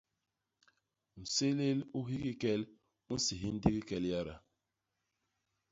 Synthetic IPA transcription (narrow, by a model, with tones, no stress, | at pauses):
n̩˨se˦le˦lu˦ɦi˦ki˦kɛ˦l | u˦n̩˦si˨ɦi˦n̩˦di˦ki˦kɛ˦lja˦ɾa̰˨